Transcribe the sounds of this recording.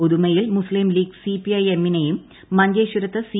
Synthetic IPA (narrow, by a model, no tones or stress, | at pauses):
oðumɐjilmuslimliːɡsipiɐjemːinejumː | ɐɲd͡ʑɐːɕuɾɐt̪ːɐsi